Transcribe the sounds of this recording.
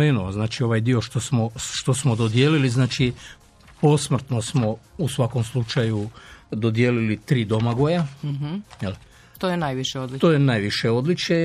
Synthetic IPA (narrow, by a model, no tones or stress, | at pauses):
enooznaːt͡ʃio̞ʋajd̪io̞ʃt̪osmoʃt̪o̞smod̪od̪jeliliznaːt͡ʃi | po̞smr̩t̪no̞smo̞usʋako̞mslˠut͡ʃajud̪o̞d̪je̞ːlilit̪ɾiːd̪o̞maɡojaɦjel | t̪ojenajʋiʃeod̪lit̪ojenaːjʋiʃeo̞d̪lit͡ʃe